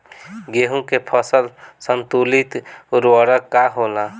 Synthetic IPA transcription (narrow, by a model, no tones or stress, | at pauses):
ɡeɦũkepʰəsəlsənt̪ulit̪ʊɾwəɽəkːaɦola